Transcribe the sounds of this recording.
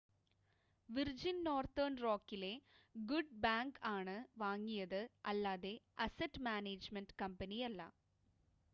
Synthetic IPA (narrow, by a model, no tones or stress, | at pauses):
ʋiɾd͡ʑinnoːrt̪ɐrnroːkːileɡʊɖ̚baːŋkaːɳɨʋaːŋːijɐðɨɐlːaːðe̞ɐsɐʈːmaːneːd͡ʑmɐnɖkɐmpɐnijɐlːɐ̰